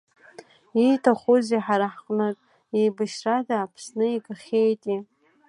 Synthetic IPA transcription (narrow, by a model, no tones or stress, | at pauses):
itʰaχʷuziħaɾaħqʼnɨkʼ | ejbaʃradaːpʰsnɨiɡaχʲejtʼi